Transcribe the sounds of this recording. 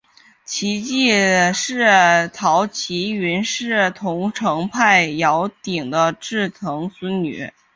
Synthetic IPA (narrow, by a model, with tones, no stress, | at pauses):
t͡ɕʰi˧˥t͡ɕi˥˧ʂɻ̩˥˩t̪ʰɑ˧˥ʊt͡ɕʰi˧˥y˧˥nʂɻ̩˥˩t̪ʰʊ˧˥ŋʈ͡ʂʰɤ˧˥ŋpʰa˥˩ɪjɑ˧˥ʊt̪i˨˩ŋd̪ə˦ʈ͡ʂɻ̩˥˩t̪ʰɤ˧˥ŋswə˥nny̰˨˩˦